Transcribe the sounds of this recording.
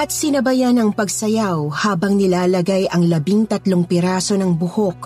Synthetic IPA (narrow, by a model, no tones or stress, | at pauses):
ɐt̪̚sɪnɐbɐjanɐŋpɐɡsɐjawhaːbɐŋnɪlaːlɐɡajɐŋlɐbiŋt̪ɐt̪loŋpɪɾaːso̞nɐŋbʊhok̚